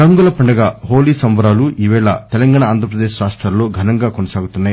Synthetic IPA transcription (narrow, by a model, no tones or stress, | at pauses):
ɾɐŋɡulɐpɐɳɖɐɡaːɦoːliːsɐmʋɐɾaːluiːʋɛːɭɐ̰t̪ɛlɐŋɡaːɳaaːnd̪ʱɾɐpɾɐd̪eːʃɾaːʂʈɾaːlːo̞ːɡʱɐnɐŋɡaːkonɐsaːɡut̪unːaːji